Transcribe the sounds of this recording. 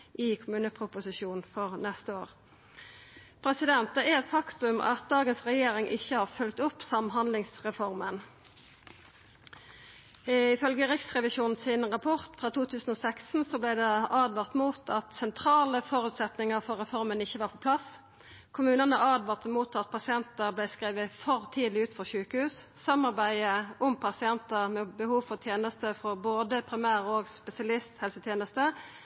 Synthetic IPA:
ʔɪkʰʊmʉːnəpʰʁʊpʊsɪʃuːnn̩fɔʁnɛst̪əoːʁ | pʰʁɛsɪd̪ɛnt̪əɛɛt̪fɑkt̪ʉmɑ̰t̪̚d̪ɑːɡənsʁɛjeːʁɪŋʔɪçːəhɑːʁfœlk̚t̪ʊpsɑmɦɑnd̪lɪŋsʁɛfɔʁmən | ɪfœlɡəʁɪksʁɛʋɪʃuːnn̩sɪnʁɑpʰɔʁt̪fʁɑːt̪ʰuːt̪ʰʉːsn̩oːsɛksn̩soːblɛːd̪ɛɑːd̪ʋɑʁt̪muːt̪ʰɑt̪sɛnt̪ʰʁɑːləfɔʁʉːt̪sɛt̪nɪŋəʁfɔʁʁɛfɔʁmənɪçːəʋɑːʁpʰɔpʰlɑs | kʰʊmʉːnənəʔɑːd̪ʋɑːʁt̪əmuːt̪ɑt̪̚pʰɑsɪɛnt̪əʁblæɪskʁiːʋəfɔʁt̪ʰiːd̪lɪʉːt̪fɔʁçʉːkəhʉːssɑmɑʁbæɪəʔʊmpʰɑsɪɛnt̪əʁmɛːbəhuːʋfɔʁt̪ʰjeːnəst̪əfɔʁboːd̪əpʰʁɪmæːʁoːɡspɛsɪɑlɪst̪hɛlsət̪ʰjeːnəst̪ə

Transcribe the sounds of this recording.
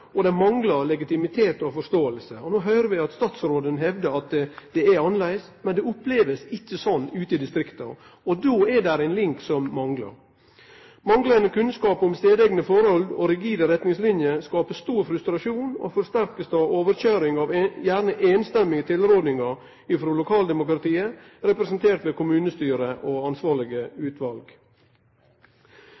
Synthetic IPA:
ɔd̪ɛmɑŋɡlɑɾlɛɡɪt̪ɪmɪt̪ʰeːt̪ɔfɔʂt̪oːəlsəɔnoːɦœʏɾəʋɪɑt̪st̪ɑːt̪sɾoːd̪ənɦɛʋd̪əɾɑt̪d̪̥ɛæɾɑnlæɪsmɛnd̪ɛʊpleːʋəsɪçːəsɔnːʉːt̪əɪd̪ɪst̪ɾɪkt̪ɑ̰ | ɔd̪oːædæɾæɪnlɪŋksɔmːɑŋɡlɑ̰ɾ | mɑŋɡlənəkʰʉnskɑːpɔmst̪eːd̪ɛɡnəfɔɾɔld̪o̰ːɾɪɡiːd̪əɾɛt̪nɪŋslɪnjəskɑːpəst̪uːɾfɾʉst̪ɾɑʂuːno̰ːfɔɾst̪æɾkəsd̪ɑʋoːʋəɾçøːɾɪŋɑʋjæɾɳəʔeːnst̪ɛmɪət̪ʰɪlɾoːd̪nɪŋɑ | ɪfɾoːlʊkʰɑːld̪ɛmʊkɾɑt̪ʰiːə | ɾɛpɾɛsnt̪ʰeːʈ̪ʋeːkʊmʉːnəst̪yːɾəʔoɑnsʋɑːɭɪɡəʉːt̪ʋɑlɡ

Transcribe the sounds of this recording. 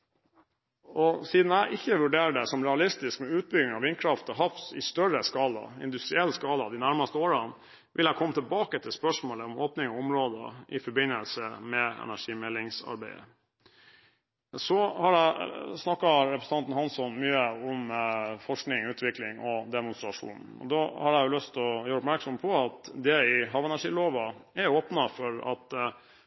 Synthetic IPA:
ɔsiːd̪n̩æɪʔɪçːəʋʉɖeːɾɖɛsɔmɾɛɑlɪst̪ɪskmɛʉːt̪̚bʏɡɪŋɑʋɪnkʰɾɑft̪ɔɦɑft̪ɪ̰st̪œɾəskɑːlɑ̰ɪ̰nd̪ʉst̪ɾɪɛlːskɑːlɑd̪ɪnæɾmɑst̪əoːɾɑn | ʋʔɪlækʰɔmːət̪ɪɛlbɑːkət̪ʰɪlspœʂmoːləɔmoːpnɪŋɔʊmɾoːd̪ə̰ʔɪfɔbɪnəlsəmɛɛ̰næʂiːmɛlːɪŋsɑ̰ɾbæ̰ɪə̰ | sɔhɑɖæɪsnɑkːɑɾɛpʰɾəsn̩ɑnt̪n̩hɑnsɔnmyːəʊmfɔʂknɪŋʉːt̪ʰʋɪklɪŋɔd̪ɛmʊnst̪ɾɑʂṵːnn̩ɔ̰d̪ɔhɑɾæɪjʊlœst̪ɔjøːɾəʊpmæɾksɔmpʰɔɑt̪d̪ɛɪɦɑːʋɛnæʂiːloːʋɑæɾoːpnɑfɔɾɑ̰t̪

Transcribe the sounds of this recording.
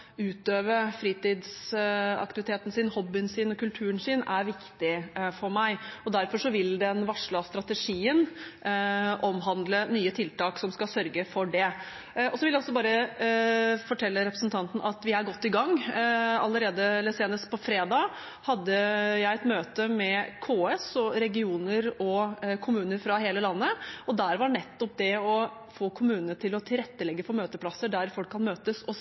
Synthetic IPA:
ʉːt̪øːʋəfɾiːt̪ɪd̪sɑ̰kt̪ɪʋɪt̪ʰeːt̪nsɪnhɔbːɪənsɪnɔkʉlt̪ʰʉːɾənsɪnæɾʋɪkt̪ɪfɔɾmæɪɔd̪æɾfɔʂɔʋɪld̪ɛnʋɑʂɭɑst̪ɾɑt̪əʂiːən | ʔɔmɦɑnd̪lənyːət̪ʰɪlt̪ɑːksɔmskɑsœɾɡəfɔɖɛ | ɔsɔʋɪljæɪɔsːɔbɑːɾə | fɔʈʰɛlːəɾɛpɾəsn̩t̪ʰɑnt̪n̩ʔɑt̪ʋɪæɾɡɔt̪ːɪɡɑŋːɑlːəɾeːd̪əlɛseːnəspʰɔfɾeːd̪ɑː | hɑd̪ːəjæɪɛt̪møːt̪əmɛkʰoːɛsɔɾɛɡɪuːnəɾɔkʰʊmʉːnəɾfɾɑɦeːləlɑnːəɔd̪æɾʋɑɳɛt̪ːɔp̚d̪ɛɔ | foːkʰʊmʉːnənəʈɪlɔt̪ʰɪlɾɛt̪ːəlɛɡːəfɔɾmøːt̪əpʰlɑsəɖæɾfɔlkʰːɑnmøːt̪əsɔ

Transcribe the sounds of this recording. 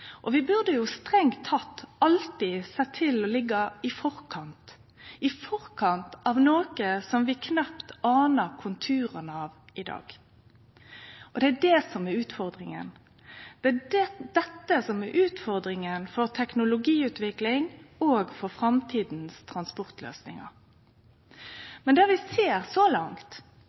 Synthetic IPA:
ʔɔʋɪbʉʁd̪əjʊst̪ɾɛŋt̪ʰːɑt̪ːɑlt̪ɪsɛt̪ʰɪlɔlɪɡːɑɪfɔɾkʰɑnt̪ | ɪfɔʁkʰɑnt̪ɑʋnoːkəsɔmʋɪkʰnɑpt̪ɑːnəɾkʰʊnt̪ʰʉːɾənɑʋɪd̪ɑ̰ːɡ | ʔɔd̪ɛæɖɛsɔmɛɾʉːt̪fɔʁd̪ɾɪŋə̰n | d̪̥ɛædɛd̪̥ɛt̪ːəsɔmɛɾʔʉːt̪fɔʁd̪ɾɪŋənfɔɾt̪ʰɛknʊlʊɡiːʉːt̪ʋɪklɪŋoːɡfɔɾfɾɑmt̪ʰiːd̪nst̪ʰɾɑnspɔɾt̪lø̰ːsnɪ̰ŋɑ̰ɾ | mɛnd̪æɾʋɪseːɾsɔlɑŋt̪

